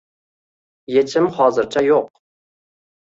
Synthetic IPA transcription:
jet͡ʃʰɪmχɑːzɨɾt͡ʃʰajoq̚

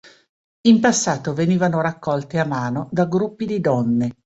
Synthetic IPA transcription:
impasːaːt̪oveniːvanoɾakːɔlt̪eamaːnod̪aɡɾupːid̪id̪ɔnːe

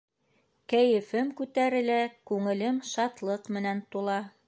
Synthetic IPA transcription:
kæjɘ̆fɘmkʉt̪æɾɘ̆lækʉŋɘ̆lɘmʃɑt̪lˠɤqmɘ̆nænt̪ulˠɑ

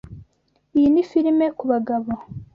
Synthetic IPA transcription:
ijinifiɾime̞kuβaɡaβo

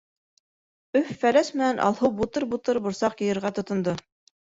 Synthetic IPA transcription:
ɵfːælæsmɘ̆nænʔɑ̰lˠhɤwbut̪ɤɾbut̪ɤɾbŏɾsɑqjɤ̆jɤ̆ɾʁɑt̪ŏt̪ŏnd̪o

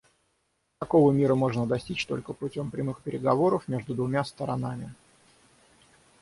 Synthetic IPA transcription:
t̪ɐko̞vəmʲiɾəmo̞ʐnəd̪ɐsʲtʲit͡ɕt̪o̞lʲkəpʊtʲo̞mpɾʲɪmɨxpʲɪɾʲɪɡɐvo̞ɾəfmʲe̞ʐd̪ʊd̪vʊmʲast̪əɾɐn̪amʲɪ

